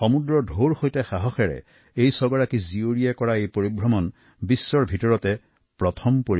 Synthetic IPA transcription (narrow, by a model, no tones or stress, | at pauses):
xɔmudɹɔdʱoɹxojtɛxaɦɔxɛɹɛ̰ | ejsɔɡɔɹakizioɹijɛkɔɹaejpoɹibʱɹɔmɔn | bisːɔɹbʱitɔɹɔtɛ | pɹɔtʰɔmpoɹi